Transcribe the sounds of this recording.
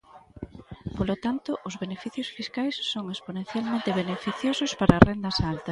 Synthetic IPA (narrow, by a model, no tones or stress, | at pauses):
polot̪ant̪ʊʔʊzβenefiθjosfiskajsːoŋesponẽnθjalmẽnt̪eβ̞enefiθjosʊspaɾɐːrend̪ɐsalt̪ɐs